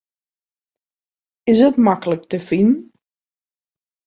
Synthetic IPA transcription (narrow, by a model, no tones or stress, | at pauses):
ɪsətmakələk̚təfin